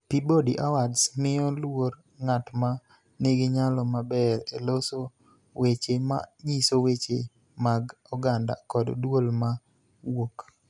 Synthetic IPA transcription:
pibodiʔawadsmɪjɔlwoɾ | ŋatma | neɡɪɲalɔmabɛɾeloso | wet͡ʃema̰ɲisowet͡ʃe | maɡ | ɔɡanda̰kɔddwolma | wok

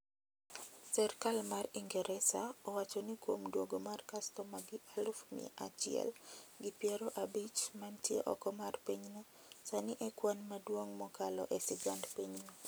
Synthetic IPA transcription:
sɛrkalmariŋɡɛɾʔɛsaɔwat͡ʃɔnikwomdwoɡomarkastɔmaɡɪʔalʊfmɪ̰ʔa̰t͡ʃɪɛ̰lɡɪpjɛɾoʔabit͡ʃmantjḛʔɔ̰kɔmarpiɲno | sanɪʔɛkwanmadwoŋmɔkalɔ̰ʔɛsɪɡandpiɲno

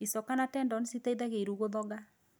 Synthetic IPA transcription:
isɔkanatɛndɔnsitaiðaɣeɾuɣoðɔɣa

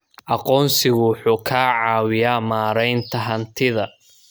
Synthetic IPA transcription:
ʔɑqɔːnsɪɣʊħuːkʰaːʕɑːwɪjaːmaːɾɛjnt̪ʰɐɦɐnt̪ʰɪðɐ

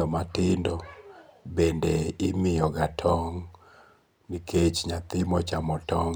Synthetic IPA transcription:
ɔmatɪndɔbendeɪmɪjɔɡatʰɔŋ | nikʰet͡ʃɲat̪ɪmɔt͡ʃamɔtɔŋ

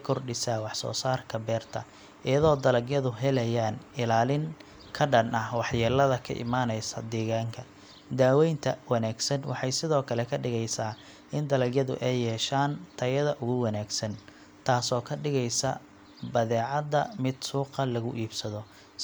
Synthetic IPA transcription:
kʰɔrɖɪsaːwɑħsɔ̰ːsaːrkʰɐbɛːrt̪ʰɐ | ʔɪjɐðɔːd̪ɐlɐɡjɐðʊɦɛlɛjaːnɪlaːlɪŋ | kʰɐɖɐnʔɐhwɑħjɐlɐðɐkʰɐ̰ʔɪ̰maːnɛjsɐd̪ɛːɣaːŋkʰɐ | d̪aːwɛjnt̪ʰɐwɑnaːɡsɐnwɑ̰ħɑjsɪðɔːkʰɐlɛkʰɐɖɪɣɛjsaː | ɪnd̪ɐlɐɡjɐðʊ̰ʔɛjːɛːʃaːnt̪ʰɐjɐðɐʔʊɣʊwɑnaːɡsɐn | t̪ʰaːsɔːkʰɐɖɪɣɛjsɐ̰ | bɐðɛːʕɑd̪ːɐmɪd̪suːqɐlɐɣʊʔiːbsɐðɔ

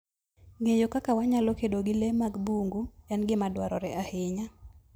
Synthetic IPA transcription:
ŋejokakawaɲalokedoɡɪlemaɡbuŋɡujɛnɡɪmadwaɾɔ̰ɾɛʔahɪɲa

